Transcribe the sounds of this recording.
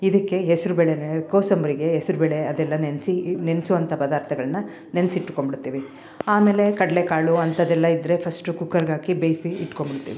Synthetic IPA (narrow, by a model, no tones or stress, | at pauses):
id̪ɐkːe̞ɦesiɾubɛɭenkoːsɐmbɐɾiɡe̞ɦesiɾubɛɭe̞ɐd̪ɛlːɐnensinensuʋɐnt̪ʰɐpɐd̪aːɾt̪ʰɐɡɐɭɐnːɐ | nensiʈːu̥ko̞mbiɽut̪ːiːʋi | aːme̞ːle̞kɐɽɐlekaːɭuɐnt̪ɐd̪ɛlːɐid̪ɾe̞pʰɐsʈukukːɐɾɡaːkibejsiːʈːko̞mbiɽut̪ːḭːʋi